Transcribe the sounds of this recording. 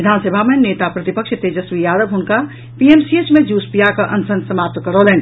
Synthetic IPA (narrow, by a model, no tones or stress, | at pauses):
ʋɪd̪ʱaːnsəbʱamẽneːt̪apɾət̪ipəkʃt̪eːd͡ʒəsʋijaːd̪əbɦʊnka | piemsiet͡ʃmẽd͡ʒuːspijakaʔɐnsənsəmaːp̚t̪kəɾoleːni